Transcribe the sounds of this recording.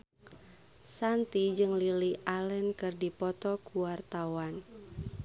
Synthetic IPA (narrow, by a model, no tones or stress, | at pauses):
sant̪id͡ʒɨŋliliʔalɛnkɨrdipɔt̪ɔkuwart̪awan